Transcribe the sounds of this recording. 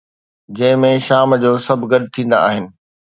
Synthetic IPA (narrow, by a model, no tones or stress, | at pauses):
d͡ʑɐ̃ɦɪ̃mẽʃaːmd͡ʑoːsɐbʱɡɐɗɪt̪ʰĩːn̆d̪a̰a̰ːɦɪnɪ̆